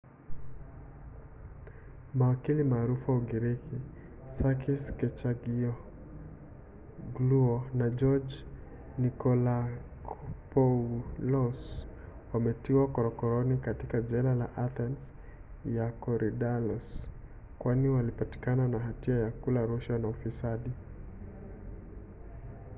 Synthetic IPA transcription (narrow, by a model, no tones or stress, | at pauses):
mawakilimaːɾufuauɡiɾiki | sakiskɛt͡ʃaɡiɔ | ɡluɔnad͡ʒɔd͡ʒ | nikɔlakpɔlɔswamɛtiwakɔɾɔkɔɾɔnikatikad͡ʒɛlalaʔaθɛns | jakɔɾʔiɗalɔs | kwaniwalipati̥kananaɦatiajakulaɾuʃwanaufisaɗi